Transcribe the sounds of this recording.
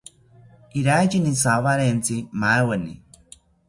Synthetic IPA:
iɾajt͡ʃinisaβaɾent͡simaewenḭ

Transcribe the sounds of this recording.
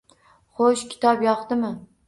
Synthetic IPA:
χoʃkʲʰɪ̥t̪ɒpjɑχt̪ɪmɪ

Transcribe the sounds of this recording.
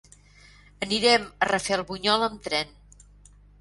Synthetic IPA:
əniɾɛmərəfelˠβuɲɔləmt̪ɾɛn

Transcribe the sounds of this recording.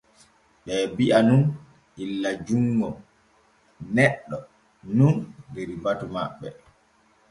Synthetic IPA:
ɓɛːbiʔanun | ʔilːad͡ʒuŋɡɔ | nɛɗːɔ | nundeɾibatuma̰ɓːɛ

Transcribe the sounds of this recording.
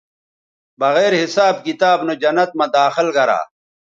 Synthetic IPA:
bɐɣeːɾhisaːb̚kit̪aːbnod͡ʑɐnɐt̪̚mɐd̪aːxilɡɐɾa̰ː

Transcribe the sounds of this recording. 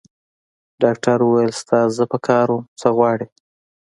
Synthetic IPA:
ɖɑkʈaɾuwajəlst̪ɑzəpəkʰɑɾwomt͡səɣwɑɽe

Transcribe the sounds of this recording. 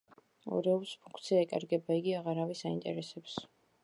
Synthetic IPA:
ɔ̰ɾɛuɾspʰũŋkʰt̪sʰiaɛkʼa̰ɾɡɛbaiɡiaʁaɾavisaint̪ʼɛ̰ɾɛsɛps

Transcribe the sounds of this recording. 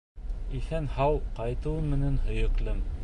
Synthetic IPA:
iθænhɑwqɑjt̪ɤwɤmɘ̆nænhɵ̆jɵ̆klɘm

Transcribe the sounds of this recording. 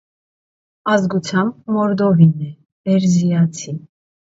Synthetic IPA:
ɑzɡut͡sʰjɑmb̚mɔɾd̪ɔvinɛ | ɛɾzijɑt͡sʰi

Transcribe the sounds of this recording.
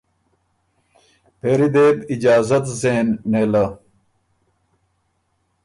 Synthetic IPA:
peːɾid̪eːbid͡ʑaːzɐt̪zeːnːeːlɐ

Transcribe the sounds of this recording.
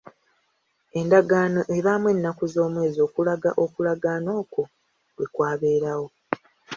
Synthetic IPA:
e̞ndaɡaːno̞ʔe̞βaːmwe̞nːakuzo̞ːmwe̞ːzio̞ːkulaɡa̰ʔo̞kulaɡaːno̞ːko̞ | we̞kwaːβe̞ːɾawo̞

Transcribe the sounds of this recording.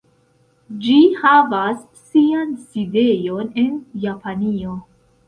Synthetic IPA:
d͡ʒihavasːianside̞jo̞ne̞njapʰanio̞

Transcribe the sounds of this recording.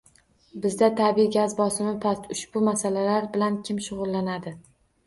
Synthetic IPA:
bɪzd̪at̪ʰabiɡʲazbɒsɪmɪpʰast̪ʊʃb̥ʊmasalalaɾbɪlankʲʰɪmʃʊʁʊlˠːanad̪ɪ

